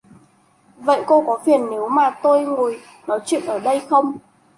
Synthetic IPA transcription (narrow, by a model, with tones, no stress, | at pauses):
və̰˧˨jko˧kɔ˨˦fi˨˩ənːe˨˦wmaː˨˩t̪o˧jŋo˨˩j | nɔ˨˦jt͡ɕwḭ˧˨nʔəː˧˩ɗə˧jxə˧wŋ͡m